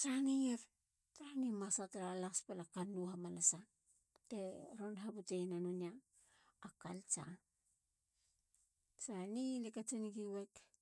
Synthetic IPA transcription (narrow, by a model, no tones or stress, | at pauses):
t͡ʃanijeɾ | taɾanimasataɾalakspelakanːuhamanasa | teɾonɦabutejnanuniaː | kalt͡ʃa̰ | sanilekat͡ʃiniɡiwek